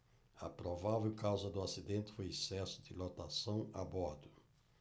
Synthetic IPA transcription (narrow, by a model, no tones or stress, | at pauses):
ɐ̰pɾovavewkawzɐd̪ʊasid̪ẽnt̪ɪ̥fojɛsɛsʊ̥d̪ɪlot̪asɐ̃w̃a̰bɔɾd̪ʊ